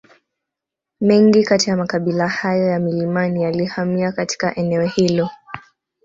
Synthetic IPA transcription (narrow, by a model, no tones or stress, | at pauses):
mɛŋɡikatijamakaɓilahajɔjamilimanijalihamiakati̥kaʔɛnɛɔhilɔ